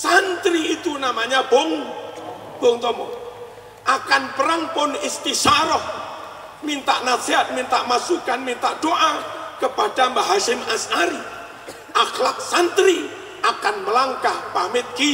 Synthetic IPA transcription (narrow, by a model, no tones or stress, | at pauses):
sant̪ɾiːt̪unamaɲaboŋ | b̥oŋt̪ɔmɔ̰ | ʔakanpəɾaŋpʊnɪst̪isaɾɔh | mint̪aʔnasiɦat̪̚mint̪aʔmasukanmint̪aʔd̥oʔakəpad̥ambaɦaʃɪmasaɾi | ʔaxlak̚sant̪ɾi | ʔakanməlaŋkahpamɪt̪̚ki